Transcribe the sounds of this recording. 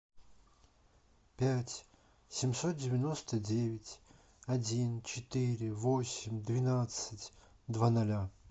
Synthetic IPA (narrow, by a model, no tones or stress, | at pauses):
pʲætʲ | sʲɪmʲso̞t̪̚dʲɪvʲɪno̞st̪ədʲevʲɪtʲ | ɐdʲint͡ɕɪt̪ɨɾʲɪvosʲɪmʲd̪vʲɪnat̪sɨtʲ | d̪vanɐlʲa